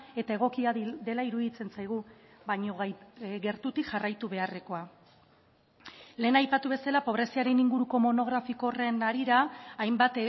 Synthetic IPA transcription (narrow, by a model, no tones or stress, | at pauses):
e̞t̪ae̞ɣ̞o̞kiad̪e̞laiɾuðit͡se̞nt͡sajɣ̞ubaɲo̞ɣe̞ɾt̪ut̪ikʝarajt̪uβe̞are̞ko̞a | le̞ːnajpat̪uβe̞salapo̞β̞ɾe̞siaɾe̞niŋɡuɾuko̞mo̞no̞ɣ̞ɾafiko̞re̞naɾiɾaːjmbat̪